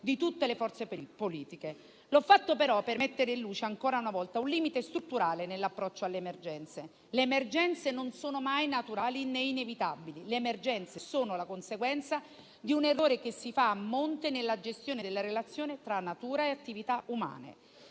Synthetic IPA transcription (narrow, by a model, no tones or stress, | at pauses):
d̪it̪ut̪ːelefɔrt̪seppoliːt̪ike | lɔfːat̪ːopeɾɔpːermet̪ːeɾeilluːt͡ʃeaŋkoːɾaunavɔlt̪aunliːmit̪est̪ɾut̪ːuɾaːlenelːapːɾɔt͡ʃːoalːeːmerd͡ʒɛnt̪se | leːmerd͡ʒɛnt̪senonsoːnomajnat̪uɾaːlineinevit̪abilileːmerd͡ʒɛnt̪sesoːnolakonseɡwɛnt̪sa | d̪iunerːoːɾekesːifaːmːont̪enelːad͡ʒest̪joːned̪elːaɾelat̪sːjoːnet̪ɾanːat̪uːɾaeat̪ːivit̪auma̰ːnḛ